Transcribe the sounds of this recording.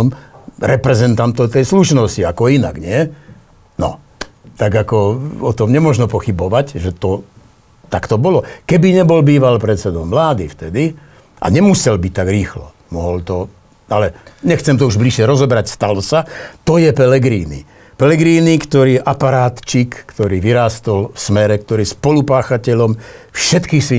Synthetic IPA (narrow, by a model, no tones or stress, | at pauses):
mɾɛpɾɛzɛnt̪ant̪ɔt̪ɛjsluʃnɔsciakɔina̰ɡɲɪɛ | nɔ̰ | t̪aɡakɔɔt̪ɔmɲɛmɔʒnɔpɔxibɔʋacʒɛt̪ɔ | t̪akt̪ɔbɔlɔkɛbiɲɛbɔlbiːʋalpɾɛt̪t͡sɛd̪ɔmːlaːd̪ift̪ɛd̪i | ʔa̰ɲɛmusɛlbic̚t̪ːaɡɾiːxlɔ̰ | mɔɦɔlt̪ɔ | alɛɲɛxt͡sɛmt̪ɔuʒbliʃɪɛɾɔzɔbɾacst̪alɔsat̪ɔjɛpɛlɛɡɾiːnḭ | pɛlɛɡɾiːnikt̪ɔɾiːʔapaɾaːt̪t͡ʃikːt̪ɔɾiːʋiɾaːst̪ɔlfsmɛɾɛk̚t̪ɔɾiːspɔlupaːxacɛʎɔmfʃɛt̪kixsʋi